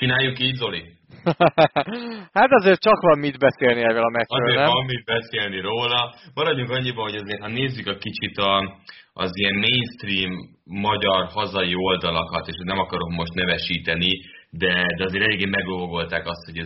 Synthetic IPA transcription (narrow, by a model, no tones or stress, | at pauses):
t͡ʃinaːjːukiːɟzo̞li | hat̪ɒzeːrt͡ʃɒkʋɒmːid̪bɛseːlniɛːvɛlɒmɛtɒøːeːnɛɒmːid̪̚bɛseːlniɾoːlɒbɒɾɒɟuŋkɒɲːibɒɦo̞ɟɒzeːrt̪hɒneːzːykɛkit͡ʃit̪ɒʔɒzijɛmːejnst̪riːmː | ɒɟɒrhɒzɒio̞ld̪ɒlɒkɒt̪eːʃot̪nɛmɒkɒɾo̞kmo̞ʃt̪nɛvɛʃiːt̪ɛnid̪ɛd̪ɛɒzeːɾɛleːɡeːmɛɡovoɡo̞lt̪aːkɒst̪ho̞ɟɛ